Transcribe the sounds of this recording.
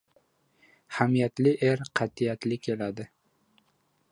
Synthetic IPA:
hamijat̪lɪʔeɾqʰɑt̪ʰijat̪lɪkʲʰe̞lad̪ɪ

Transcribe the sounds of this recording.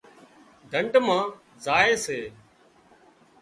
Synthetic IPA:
ɖʱəɳʈmãː | zaːeːseː

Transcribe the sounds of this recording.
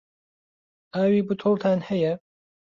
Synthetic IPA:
ʔaːwiːbɨt̪ʰulˠt̪ʰaːnhɛjɐ

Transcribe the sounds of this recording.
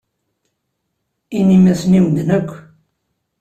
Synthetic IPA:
inimæsniwnnəkʷː

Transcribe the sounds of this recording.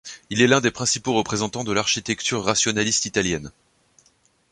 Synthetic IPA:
ilɛlɛ̃d̪epχɛ̃sipoʁəpχezɑ̃t̪ɑ̃d̪əlaʁʃit̪ɛkt̪ʰyʁːasjɔnalist̪it̪aljɛn

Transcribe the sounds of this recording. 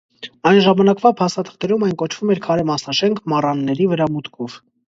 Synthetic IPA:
ɑjnʒɑmɑnɑkvɑpʰɑst̪ɑt̪ʰə̥χt̪ɛɾumɑjnkɔt͡ʃʰv̥umɛɾkʰɑɾɛmɑsnɑʃɛŋkʰmɑrɑnːɛɾivəɾɑmut̪kʰɔv

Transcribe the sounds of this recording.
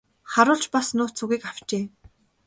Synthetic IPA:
χaɾʊːɬt͡ɕpasnʊːt͡sʰuɣiːkaw̥t͡ɕeː

